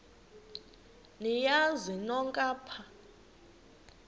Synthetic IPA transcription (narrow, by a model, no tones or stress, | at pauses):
nijazinɔŋkʼaːpʰa